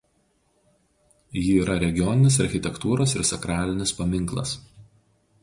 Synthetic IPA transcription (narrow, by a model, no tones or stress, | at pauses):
jiːɾɐɾʲɛɡʲɪjɔnʲɪnʲɪs̬ɐɾʲxʲɪt̪ʲɛkt̪uːɾoːsɪɾsɐkɾɑːlʲɪnʲɪspɐmʲɪŋˑklˠɐ̰s